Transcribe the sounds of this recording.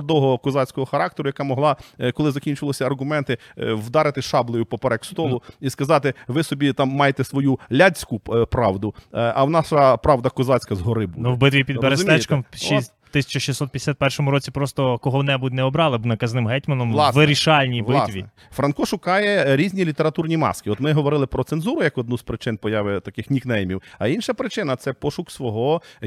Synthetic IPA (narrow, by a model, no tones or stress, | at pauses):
ɾd̪ɔɦɔkɔzɑt͡sʲkɔɦɔxɐɾɑk̚t̪eɾʊjɐkɑmɔɦlˠɑkɔlˠɪzɐkʲinʲt͡ʃʊʋlˠɔsʲɐɐrɦʊmɛnt̪ɪwd̪ɑɾɪt̪ɪʃɑblˠɔjʊpɔpeɾɛkst̪ɔllˠʊiskɐzɑt̪ɪʋɪsɔbʲit̪ɑmːɑjet̪ɛsʋɔjulʲat͡sʲkʊpɾɑʋd̪ʊʔɐwnɑʃɐpɾɑʋd̪ɐkɔzɑt͡sʲkɐzɦɔɾɪbunuwbɪt̪ʋʲipʲid̪beɾeʊmʲɛt͡ʃk̪ɐmis | t̪ɪsʲɐ̥t͡ʃɐʃisɔt̪̚pʲjd̪ʲsʲat̪̚pɛrʃɔmʊɾɔt͡sʲipɾɔst̪ɔkɔɦɔwnɛbut̪ʲnɛɔbɾɑlˠɪnɐkɐznɪmɦɛtʲmɐnɔmlˠsʋɪɾʲiʃɑlʲnʲibɪsʋ̪ʲi | fɾɐnkɔʃʊkɑjɛɾʲizʲnʲilʲit̪eɾɐt̪urnʲimɑ̰skɪɔt̪mɪɦɔʋɔɾɪlˠɪpɾɔt̪senzuɾʊjɐkɔd̪nuzpɾɪt͡ʃɪnpɔjɑʋɪt̪ɐkɪxnʲiknɛjmʲiwɐinʃɐpɾɪt͡ʃɪnɐt̪sɛpɔʃʊksʋɔɦɔ